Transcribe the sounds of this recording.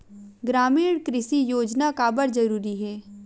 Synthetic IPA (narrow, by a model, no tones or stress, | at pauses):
ɡɾaːmiːɽkɾɪʃijoːd͡ʒnakaːbəɾd͡ʒɐɾuːɾiɦɛː